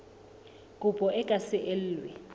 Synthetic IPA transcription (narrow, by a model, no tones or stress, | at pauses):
kʼupʼɔʔɛkʼasɛʔel̩ːlwɛ̰